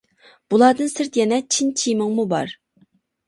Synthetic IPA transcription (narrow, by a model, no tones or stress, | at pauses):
b̥ulˠɑːd̪ɨnsɪɾt̪jɛnɛt͡ʃʰint͡ʃʰijmɨŋmubɑ̰ɾ